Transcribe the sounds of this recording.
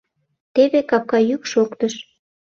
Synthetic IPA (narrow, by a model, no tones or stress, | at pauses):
t̪eβekɑp̚kɑjykʃokt̪əʃ